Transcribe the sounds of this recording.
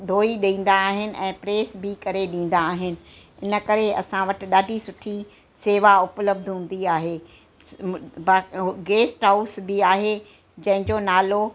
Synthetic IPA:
d̪ʱoːiɗĩːn̆d̪aːɦɪnɪ̆ʔɛ̃ːpɾeːsbɪkɐɾeɗĩːn̆d̪aːɦɪnɪ̆ | ɪnə̆kɐɾeɐ̰sãʋɐʈɪ̆ɗaːɖʱisʊʈʰi | seːʋaʊpləb̚d̪ʱɦũːn̆d̪iaːɦeː | baːɡeːsʈɦaʊsbɪaːɦe | d͡ʑɐ̃ɦɪ̃ɲd͡ʑonaːlo

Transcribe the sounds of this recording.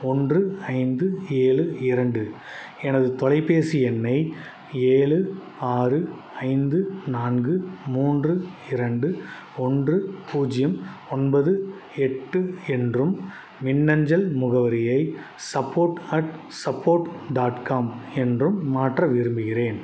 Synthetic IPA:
ɔndrɯɐɪnd̪ɯeːɭɯɪɾɐɳɖɯ | ɛnɐðɯt̪ɔlɐɪpːeːsɪɛnːɐɪ | eːɭɯ | aːrɯ | ɐɪnd̪ɯnaːnɡɯmuːndrɯɪɾɐɳɖɯ | ɔndrɯpuːd͡ʒɪjɐmɔnbɐðɯ | ɛʈːɯɛndrɯmː | ɪnːɐɲd͡ʒɐlmʊɣɐʋɐɾɪjɐɪ | sɐpːoːɾʈɐʈ | sɐpːoːɾʈɖaːʈkaːmɛndrɯmːaːʈrɐʋɪɾɯmbɯɣɪreːn

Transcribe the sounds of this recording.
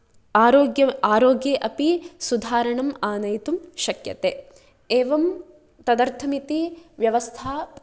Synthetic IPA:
aːɾoːɡjɐaːɾoːɡjeːʔɐpisud̪ʱaːɾɐɳɐmaːnɐjt̪umʃɐkjɐ̰t̪eː | eːʋɐm | t̪ɐd̪ɐɾt̪ʰɐmit̪iʋjɐʋɐst̪ʰaː

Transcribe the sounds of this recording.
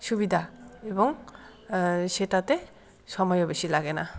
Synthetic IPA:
subidʱaebɔŋ | setate | sɔmɔjɔbasilaɡena

